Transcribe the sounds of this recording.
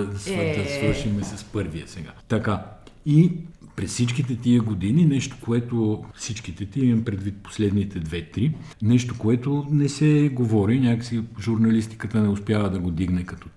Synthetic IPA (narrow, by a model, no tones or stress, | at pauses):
d̪ɐsvəd̪ɐsvɤɾʃimɛsɐspɤɾvijəsɛɡa̰t̪ɐka | ipɾɛssit͡ʃkit̪ɛt̪iəɡod̪ininɛʃt̪o̥koɛt̪ofsit͡ʃk̟it̪ɛt̪imɐmpɾɛd̪vit̪̚po̥slɛd̪nit̪ɛd̪vɛt̪ɾinɛʃt̪okoɛt̪onɛsɛɡovɔɾinʲakəsiʒuɾnɐlist̪i̥kət̪ənɛʊspjavɐd̪ɐɡod̪iɡnɛkɐt̪ɔ